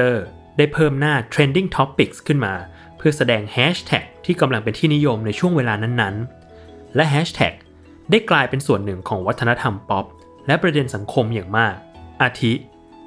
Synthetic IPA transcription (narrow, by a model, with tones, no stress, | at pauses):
ɤː˥˩ | da˥˩jpʰɤː˥˩mnaː˥˩t̪ʰɾeː˧ndi˥˩ŋt̪ʰɔ˦˥pːi˨˩k̚skʰɯ˥˩nmaː˧ | pʰɯ˥˩ɐsa˧dɛː˧ŋhɛː˦˥ɕt̪ʰɛ̰˨˩k̚t̪ʰiː˥˩ka˧mla˧ŋpe˧nt̪ʰiː˥˩ni˦˥jo˧mna˧jt͡ɕʰu˥˩əŋweː˧laː˧na˥˩nːa˦˥n | lɛ˦˥ɦɛː˦˥ɕt̪ʰɛ̰˨˩k̚ | daː˥˩jklaː˧jpe˧nsu˨˩ənːɯ˨˩ŋkʰɔː˩˦ŋwa˦˥t̪ʰːa˧na˦˥t̪ʰa˧mpɔ˦˥p̚ | lɛ˦˥pɾa˧de˧nsa˩˦ŋkʰo˧mjaː˨˩ŋmaː˥˩k̚ʔaː˧t̪ʰi˦˥ʔ